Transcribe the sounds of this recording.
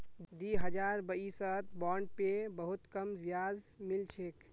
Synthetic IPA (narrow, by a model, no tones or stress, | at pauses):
d̪iɦəd͡ʒaɾbəisət̪bɔɳɖ̚pebəɦut̪kəmʋjaz | milt͡ʃʰek